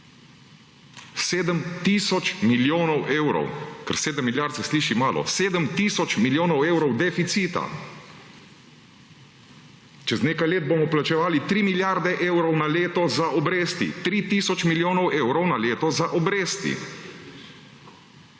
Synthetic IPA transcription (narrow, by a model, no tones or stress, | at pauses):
seːd̪əmt̪isɔt͡ʃmiljoːnɔwʔeːwɾɔ̰wkɛ̰ɾseːd̪əmːiljaɾt̪sɛsliːʃimaːlʔɔ̰seːd̪əmt̪iːsɔt͡ʃmiljoːnɔweːwɾɔwd̪ɛfit̪siːt̪a̰ | t͡ʃɛzneːkajleːd̪̚bomɔplat͡ʃɛʋaːlit̪ɾiːmiljaɾd̪ɛʔeːwɾɔwnaleːt̪ɔzaʔɔbɾeːst̪ḭt̪ɾiːt̪iːsɔt͡ʃmiljoːnɔwʔeːwɾɔwnaleːt̪ɔzaʔɔbɾeːst̪ḭ